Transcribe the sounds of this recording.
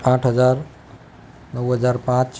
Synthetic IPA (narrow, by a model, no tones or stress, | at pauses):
ãːʈʰɦəzaːɾ | nəwɦəzaːɾpãːt͡ɕ